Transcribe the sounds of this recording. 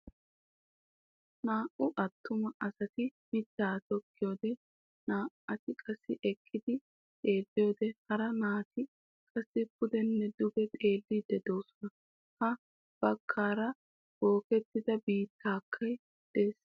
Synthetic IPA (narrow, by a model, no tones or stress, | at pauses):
naːʔʊʔɐt̪ːʊmɐʔɐsɐt̪ɪmɪt̪ːaːt̪ɔkːɪjo̞ːd̪ɛ | naːʔɐt̪ɪkʼɐsːɪʔɛkʰːɪd̪ɪ | t̪ʼe̞ːlːɪjo̞ːd̪ɛhɐɾɐnaːt̪ɪ | kʼɐsːɪpʊd̪ɛnːɛd̪ʊbɛt̪ʼe̞ːlːɪd̪ɛd̪o̞ːsɔnɐ | hɐ | b̥ɐkʰːaːɾɐ | b̥o̞ːkɛt̪ːɪd̪ɐbiːt̪ʰːaːkʰːɐj | d̪̥eːs